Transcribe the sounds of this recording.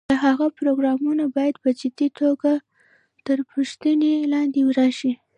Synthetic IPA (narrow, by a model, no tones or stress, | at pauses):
d̪əɦaɣapɾoɡɾɑmunabɑjad̪pəd͡ʒɪd̪it̪ʰoɡa | t̪əɾpəʃt̪ənelɑnd̪ewɾɑʃi